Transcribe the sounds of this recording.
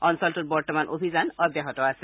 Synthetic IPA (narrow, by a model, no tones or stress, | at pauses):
ɔnsɔltut̚bɔɹtɔmanʔo̰bʱizanɔbjaɦɔtɔasɛ